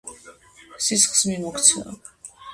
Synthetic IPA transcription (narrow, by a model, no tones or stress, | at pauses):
sisχsmimɔkʰt̪sʰna̰